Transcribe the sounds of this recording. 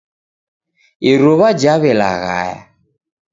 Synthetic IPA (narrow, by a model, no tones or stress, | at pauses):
iɾɔβad͡ʒaβɛla̰ɣa̰ja̰